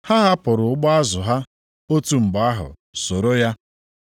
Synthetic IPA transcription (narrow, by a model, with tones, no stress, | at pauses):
ha˦ɦa˦pʊ˨ɾʊ˨ʊ˦ɡ͡bɔ˦a˦zʊ˨ɦa˦ | o˦tu˨ŋ͡m̩˨ɡ͡ba˦ɦʊ̰˨ | so˨ɾo˦ja˦